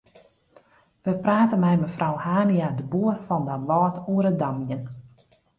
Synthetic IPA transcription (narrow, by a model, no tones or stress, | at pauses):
ʋəpraːtənmɛjməfrʔɔwhaːniadəbuərfɔndaʋɔːtʰuəɾədamjən